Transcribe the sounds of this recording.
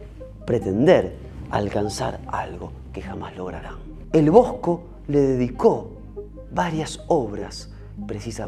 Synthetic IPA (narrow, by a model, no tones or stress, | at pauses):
pɾet̪end̪eɾ | a̰lkansa̰ɾa̰lɣo̞ | kexamazlo̞ɣɾa̰ɾa | elβo̞sko̞ | le̞ðeðiko | βaɾjasoβɾas | pɾesisa